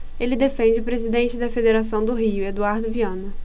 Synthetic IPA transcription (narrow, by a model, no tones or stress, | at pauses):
elɪd̪efẽnd͡ʒɪʊpɾezid̪ẽnt͡ʃɪd̪ɐfed̪eɾasɐ̃w̃d̪ʊɦiʊed̪uaɾd̪ʊviɐ̃nɐ